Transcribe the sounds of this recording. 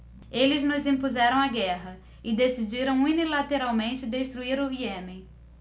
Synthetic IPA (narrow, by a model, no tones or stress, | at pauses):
elɪznʊzĩpuzɛɾɐ̃w̃aɡɛɦɐ | ɪd̪esid͡ʒiɾɐ̃w̃unilat̪eɾawmẽnt͡ʃɪd̪eʃt̪ɾuiɾʊviɛmɪ̃